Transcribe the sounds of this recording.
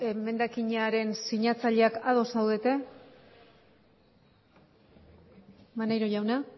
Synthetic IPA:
eme̞nd̪akiɲaɾe̞nsiɲat͡saʎe̞akaðo̞sawðe̞t̪e̞ | manajɾo̞ʝawna

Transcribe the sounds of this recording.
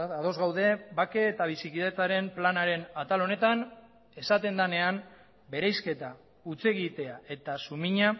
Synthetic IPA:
aðo̞zɣawðe̞bake̞ːt̪aβ̞isikiðet͡saɾe̞mplanaɾe̞nat̪alo̞ne̞t̪an | e̞sat̪e̞nd̪ane̞an | be̞ɾajske̞t̪a | ut͡se̞ɣit̪e̞ae̞t̪asumiɲa

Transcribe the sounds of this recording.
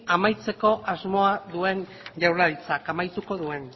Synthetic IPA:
amajt͡se̞ko̞ʔazmo̞aðue̞n | ʝawɾaɾit͡sakamajt̪uko̞ðue̞n

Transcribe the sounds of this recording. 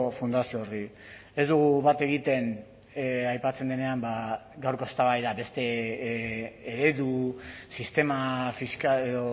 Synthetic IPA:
fund̪asioori | e̞zd̪uɣ̞uβat̪e̞ɣ̞it̪e̞n | ajpat͡se̞nd̪e̞ne̞ambaɡawɾko̞est̪aβajðabe̞st̪e̞ | ɾe̞ðusist̪e̞mafiskaleðo

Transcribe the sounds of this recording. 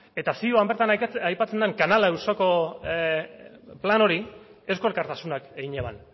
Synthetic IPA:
e̞t̪asioambe̞ɾt̪anajpat͡se̞nd̪eŋkanalaewsoko̞ | plano̞ɾiesko̞ɾkaɾt̪asunakeɣiɲeβa̰n

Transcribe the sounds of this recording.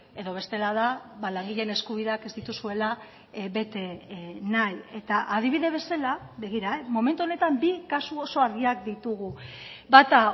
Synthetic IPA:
e̞ðo̞β̞e̞st̪e̞laðaβalaŋɡiʎe̞ne̞skuβ̞iðeake̞zd̪it̪usue̞la | be̞t̪e̞naje̞t̪aʔað̞iβ̞iðe̞β̞e̞salaβe̞ɣ̞iɾaemo̞me̞nt̪uo̞ne̞t̪ambikasuo̞so̞aɾɣiak̚d̪it̪uɣubat̪a

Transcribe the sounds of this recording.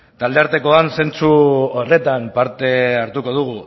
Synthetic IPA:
t̪ald̪e̞aɾt̪e̞ko̞anse̞nt͡suore̞t̪ampaɾt̪e̞aɾt̪uko̞ð̞uɣ̞u

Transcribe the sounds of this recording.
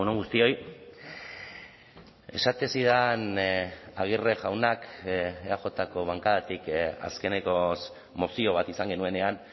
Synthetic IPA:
unoŋɡust̪io̞j | e̞̰sat̪esiðan | aɣ̞ireʝawnakeaʝo̞t̪ako̞βaŋkaðat̪ika̰ske̞neko̞s | mosio̞β̞at̪isaŋɡe̞nue̞ne̞an

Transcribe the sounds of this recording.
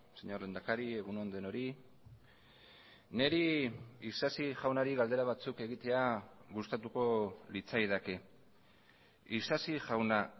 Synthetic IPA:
seɲo̞ɾlend̪akaɾie̞ɣunond̪oeno̞ɾi | ne̞ɾiisasiʝawnaɾiɣald̪e̞ɾaβ̞at͡suke̞ɣit̪e̞aɣust̪at̪uko̞lit͡sajðake̞ | isasiʝawna

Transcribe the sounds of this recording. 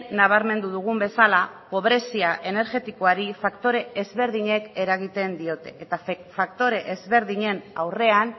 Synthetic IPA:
naβ̞aɾme̞nd̪uðuɣ̞umbe̞salapo̞β̞ɾe̞siaʔe̞ne̞ɾɣe̞t̪iko̞aɾifakt̪o̞ɾe̞ʔːzβe̞ɾðiɲe̞ke̞ɾaɣ̞it̪e̞nd̪io̞t̪e̞ʔet̪afak̚t̪o̞ɾe̞ʔezβe̞ɾðiɲe̞nawre̞an

